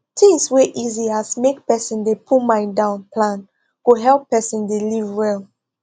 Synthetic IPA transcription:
tʰĩŋsweʔiziasmek̚pɛsə̃ndepʰumãɪ̃ndãʊ̃npʰlãn | koɦɛlˠpːɛsĩndelivɹɛlˠ

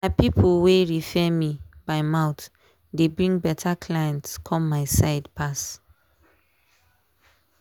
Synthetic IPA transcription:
maɪpipʰoweɹifɛmibaɪmãʊt | debɹĩŋɡbɛtʰakʰlajɛ̃ntskʰɔ̃mːaɪsaɪdpʰas

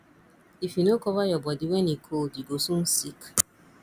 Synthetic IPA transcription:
ifinokɔvajɔbɔdiwɛnikʰoldiɡosun̩sik

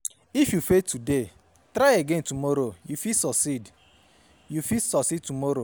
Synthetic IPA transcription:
ifjufetude | tɾaɪeɡẽntumɔɾojufisɔsid | jufisɔsid̚tumɔɾo

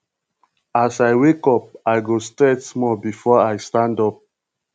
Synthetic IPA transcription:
asajwekɔp̚aɪɡostɹɛtsmɔbifɔaɪstãndɔp̚

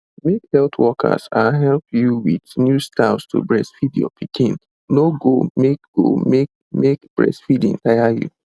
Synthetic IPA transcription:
mekhɛltʰwɔkʰa̰saɦɛlpʰjuwidnjustastʰṵbɹɛsfidjɔ̰pʰikʰĩn | noɡomek̚ɡ̥o̰mek̚ | mekb̥ɹɛ̰sfidḭ̃ntajajṵ

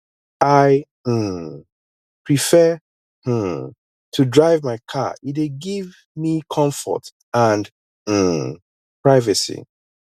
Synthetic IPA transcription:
aɪ | pʰɹifɛ | tʰudɹaɪvmaɪkʰa̰it̚eɡiv | mikʰɔ̃ɱfɔ̰t | ãnd̩ | pɹaɪvɨsḭ

